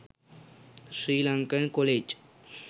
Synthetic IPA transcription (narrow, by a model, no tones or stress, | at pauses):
sɾiːlaŋkənkoled͡ʒ